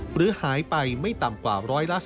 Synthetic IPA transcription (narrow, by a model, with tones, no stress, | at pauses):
ɾɯː˦ɐhaː˩˦jpa˧jma˥˩jt̪a˨˩mkwaː˨˩ɾɔː˦˥jla˦˥ʔs